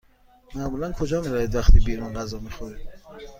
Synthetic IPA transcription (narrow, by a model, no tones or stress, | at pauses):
mæʔmuːlænkʰod͡ʒɒːmiɾæβid̪væxt̪ʰiːbiːɾunɢæzɒːmixoɾi̥